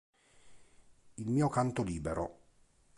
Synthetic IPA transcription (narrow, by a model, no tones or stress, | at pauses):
ilmiːokant̪oliːbeɾo